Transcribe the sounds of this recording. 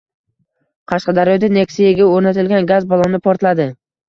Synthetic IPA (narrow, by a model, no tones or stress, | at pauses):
qʰɑʃqɑd̪aɾjɒd̪anekʲsijaɡʲaɵɾnat̪ʰɪlɡʲanɡazbɒlˠɒnɪpʰoɾt̪lad̪ɪ